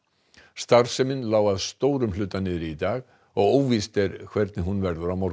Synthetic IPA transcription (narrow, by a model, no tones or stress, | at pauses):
st̪ar̥sɛmɪnlaːwaðst̪oːwɾʏmlʏːt̪ːanɪːðɪɾɪit̪aːɣ | ɔɣoːwvist̪ɛɾkʰvɛɾt̪̚nɪɦunvɛɾðʏɾawmɔɾ